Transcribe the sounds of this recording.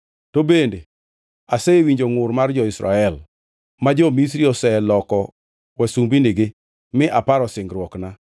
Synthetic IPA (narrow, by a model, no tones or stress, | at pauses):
tobende | asewiɲd͡ʒoŋʊrmard͡ʒɔɪsɾa̰ɛl | mad͡ʒɔmisɾiɔsɛlɔkɔ | wasumbiniɡɪ | mɪʔapaɾɔsɪŋɡɾwɔkna